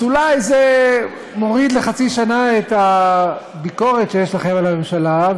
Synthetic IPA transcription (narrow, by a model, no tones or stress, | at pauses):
ulajze | mo̞ʁid̪leχat͡siʃanaet̪a | biko̞ʁetʃejeʃlaχemalame̞mʃala